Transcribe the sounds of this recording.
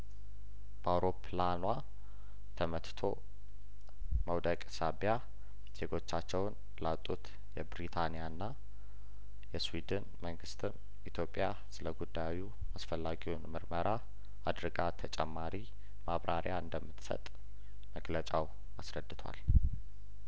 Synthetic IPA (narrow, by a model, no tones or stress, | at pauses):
b̥əawɾo̞pʰlanwa | t̪ʰəmət̪t̪ʰo̞ | məwd̪əkʼsabja | z̥e̞ɡo̞t͡ʃːat͡ʃːɛwn | lat̪ʼut̪ | jɛbɾit̪ʰanijanːa | jɛswid̪ɨnməŋɡɨst̪ʰɨm | it̪ʰjopʼːja | sɨləɡud̪ːajwu | asfəlːaɡiwunmɨɾməɾʔa | ad̪ɾɨɡat̪ʰət͡ʃʼɛmːaɾi | maβɾʔaɾjaɨnd̪əmːɨt̪sə̰t̪ʼ | məɡlət͡ʃʼaw | asɾəd̪ːɨt̪ʰwa̰l